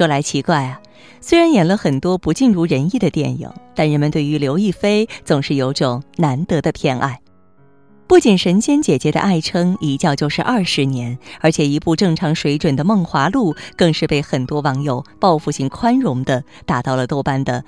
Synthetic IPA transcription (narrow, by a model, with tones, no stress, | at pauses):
ɤ˥˩la˧˥ɪt͡ɕʰi˧˥kwa˥˩ɪɐ˩ | swe˥ɪɻa˧˥njɛ˨˩nlə˦xə˨˩nt̪wɔ˥pu˧˥t͡ɕi˥˧nɻu˥˩ɻə˧˥ni˥˩d̪ə˩t̪jɛ̰˥˩nḭ˨˩˦ŋt̪a˥˩nɻə˧˥nmə˧nt̪we˥˩ɪy˧˥ljo˧˥ʊi˥˩fe˥ɪt͡sʊ˨˩ŋʂɻ̩˥˩jo˧˥ʊʈ͡ʂʊ˨˩ŋna˧˥nt̪ɤ˧˥d̪ə˧pʰjɛ˥˧nʔa̰˥˩ɪ | pu˥˩t͡ɕi˨˩nʂə˧˥nɕjɛ˥nt͡ɕjɛ˨˩t͡ɕjɛ˧˥d̪ə̰˧ʔa˥˩ɪʈ͡ʂʰɤ˥ŋi˧˥t͡ɕjɑ˥˧ʊt͡ɕjo˥˧ʊʂɻ̩˥˧ʔɐ˥˩ʂɻ̩˧˥njɛ˧˥nə˞˧˥t͡ɕʰjɛ˨˩i˧˥pu˥˧ʈ͡ʂɤ˥˩ŋʈ͡ʂʰɑ˧˥ŋʂwe˧˥ɪʈ͡ʂwə˨˩nd̪ə˦mɤ˥˩ŋxwa˧˥lu˥˩kɤ˥˧ŋʂɻ̩˥˧pe˥˩ɪxə˨˩nt̪wɔ˥wɑ˧˥ŋjo˨˩ʊpɑ˥˧ʊfu˥˧˩ɕi˧˥˩ŋkʰwa˥nɻʊ˧˥ŋd̪ə˧t̪a˨˩t̪ɑ˥˩ʊlə˩t̪o˥˧ʊpa˥˩nd̪ə˧˩